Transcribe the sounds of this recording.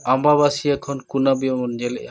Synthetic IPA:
ambaβasijakʰɔnkunabijɔmɔnd͡ʒɛlɛ̰ʔa

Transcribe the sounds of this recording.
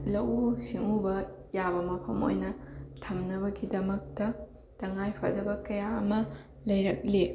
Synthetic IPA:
lɐwsiŋubɐ | jabɐmɐpʰɐmo̰jnɐtʰɐmnɐβɐɡidɐmɐk̚tɐ | tɐŋajpʰa̰d͡ʒɐbɐkɐjaɐmɐ | lɐjɾɐk̚le

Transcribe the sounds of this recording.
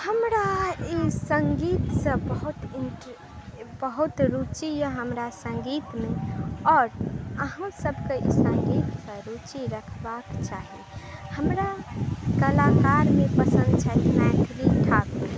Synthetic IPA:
həmɾaisə̃ŋɡiːt̪sə̃bəɦut̪inʈ | bəɦut̪ɾut͡ʃijəɦəmɾasə̃ŋɡiːt̪mẽɔːɾəɦãsəbʱkeḭsə̃ŋɡiːt̪sə̃ɾut͡ʃiɾəkʰbakt͡ʃaɦiehəmɾakəlakaɾmẽpəsə̃nd̪t͡ʃʰɛt̪mɛʈɾit̪ʰak

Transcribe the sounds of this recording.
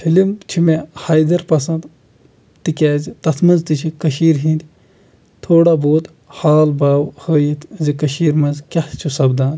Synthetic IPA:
fʰilimt͡ʃʰimehɐːjd̪ɐɾpɐsɐ̃nd̪ | t̪ikʲaːzit̪ɐt̪ʰmɐnzt̪it͡ʃʰikɐʃiːɾɦĩnd̪ʲ | t̪ʰoːɽaboːt̪ | haːlbaːwhəːjit̪zikɐʃiːɾmɐnzkʲɐht͡ʃʰusɐbd̪aːn

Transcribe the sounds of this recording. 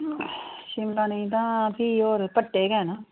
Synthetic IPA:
ʃɪmlaːniĩt̪ãːpioːɾpəʈːeːkɛːnaː

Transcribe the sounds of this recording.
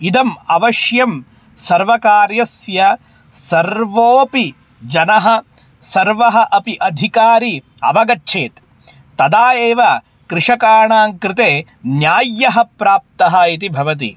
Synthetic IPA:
id̪ɐmɐʋɐʃjɐm | sɐɾʋɐkaːɾjɐsjɐ | sɐɾʋoːpi | d͡ʒɐnɐɦɐ̆ | sɐɾʋɐɦɐʔɐpiʔɐd̪ʱikaːɾi | ɐ̰ʋɐɡɐtːʃʰeːt̪ː | ɐd̪aːjeːʋɐ | kɾɪʂɐkaːɾɳaːŋkɾɪt̪eː | njaːjːɐɦɐpɾaːp̚t̪ɐɦɐit̪̬ibʱɐʋɐt̪̬ḭ

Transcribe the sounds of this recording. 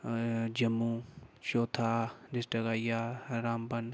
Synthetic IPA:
d͡ʒɐmːũʃoːt̪ʰaːdɪsʈəkaːjaːɾaːmbɐn

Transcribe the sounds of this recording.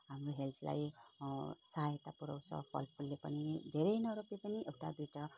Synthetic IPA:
ɦamroɦelt̪ʰla̰j | sajet̪apuɾa̰w̃t͡sʰʌ̰pʰʌ̰lpʰulːepʌnid̪ʱeɾʌjnʌɾoplepʌniʔewʈa̰biʈʌ

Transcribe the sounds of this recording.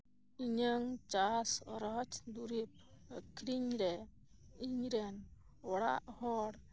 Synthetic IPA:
iɲəŋt͡ʃasɔɾɔt͡ʃd̪uɾip̚kɾiɲɾɛ | iɲɾɛn | ɔɽa̰ʔhɔɽ

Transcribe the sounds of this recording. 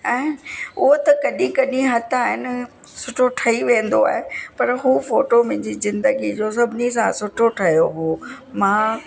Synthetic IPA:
ɛ̃ːʊɦot̪ɐkɐɗĩkɐɗĩɦɐt̪ʰaːɦɪnɪ̆ | sʊʈʰoʈʰɐiʋẽːn̆d̪oa̰ːɦepɐɾɦuːfoːʈomẽɪ̃ɲd͡ʑizɪ̃nd̪əɡid͡ʑos̬ɐbʱɪnis̬ãsʊʈʰoʈʰɐɦijoɦuː | mãː

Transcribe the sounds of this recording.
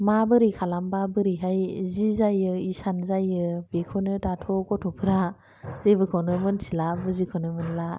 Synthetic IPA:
mabɯɾikʰalambabɯɾiɦajzizajɯisanzajɯbekʰɔnɯtatʰɔkɔtʰɔpʰɯɾa | zebɯkʰɔnɯmɯnsilabɯzikʰɔnɯmɯnla

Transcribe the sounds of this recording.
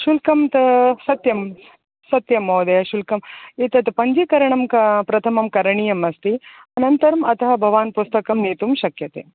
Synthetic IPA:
ʃulkɐmt̪sɐt̪jɐm | sɐt̪jɐmoːd̪ɐjɐʃulkɐmit̪ɐt̪pɐɲd͡ʒikɐɾɐɳɐmkɐpɾɐt̪ʰɐmɐmkɐɾɐɳijɐmɐst̪iɐnɐnt̪ɐɾɐmɐt̪ɐɦɐbʱɐʋaːnpust̪ɐkɐmniːt̪umʃɐkjɐt̪ḛː

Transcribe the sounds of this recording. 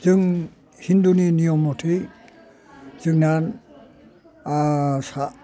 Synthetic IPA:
zɯŋ | hinduninijɔmɔtʰi | z̥ɯŋnan | sa

